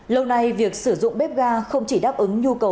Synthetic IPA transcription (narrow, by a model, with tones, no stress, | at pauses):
lə˧wna˧jvi˨˩ək̚sɨ˧˩zʊ̰˧˨ŋ͡mɓɛ˦˥p̚ɣaː˧xə˧wŋ͡mt͡ɕi˧˩ɗaː˦˥p̚ʔɨ˨˦ŋɲu˧kə˨˩w